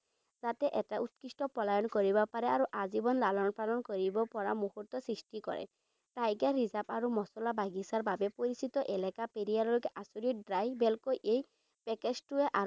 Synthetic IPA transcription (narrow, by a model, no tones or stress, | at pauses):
zat̪ɛʔɛtaʔut̪̚kistɔpɔlajɔnkoɹibɔpaɾɛaɹuʔazibɔnlalɔnpalɔnkoɹibɔpɔɹamuhut̪ːɔsɹisʈikɔ̰ɹɛ̰ | tajɡaɹizapaɹumɔsɔlabaɡisaɹbabɛpoɹisit̪ɔʔɛlakapeɾijaɹɔlokɛʔasuɹidɹajbɛlkojʔej | pɛkeztuɛʔa